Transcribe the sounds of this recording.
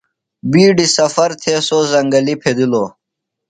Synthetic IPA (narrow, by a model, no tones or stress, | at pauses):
biːɖisɐfɐɾt̪ʰeːsoːzɐŋɡɐlipʰed̪iloː